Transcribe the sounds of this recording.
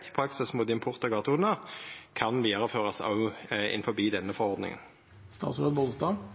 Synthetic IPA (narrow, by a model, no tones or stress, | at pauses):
ɪ̥pʰɾɑksɪsmuːt̪ɪmpʰʊʁt̪əɡɑt̪uːnɑkʰɑnʋiːɑʁəføːʁɑsɑ̰ʉɪ̰nfɔbiːd̪ɛnːəfɔʁɔʁd̪nɪ̰ŋə̰n | st̪ɑ̰ːt̪sləd̪ʋɔləst̪ɑː